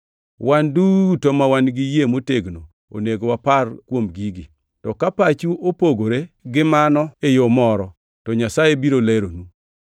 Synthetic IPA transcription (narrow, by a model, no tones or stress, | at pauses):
wandutomawanɡɪjemoteɡno | o̰neɡowaparkwomɡiɡi | tɔkapat͡ʃuʔopoɡoɾeɡɪmanɔejomɔɾɔ | tɔɲasajebiɾoleɾonu